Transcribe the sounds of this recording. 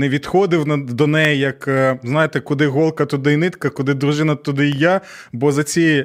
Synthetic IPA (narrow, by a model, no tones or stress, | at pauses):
nɛʋʲid̪xɔd̪ɪwnd̪ɔnɛjɛjɐkznɑjet̪ɛkʊd̪ɪɦɔlˠkɐt̪ʊd̪ɪnɪt̪kɐkʊd̪ɪd̪ɾʊʒɪnɐt̪ʊd̪ɪja | bɔzɐt͡sʲij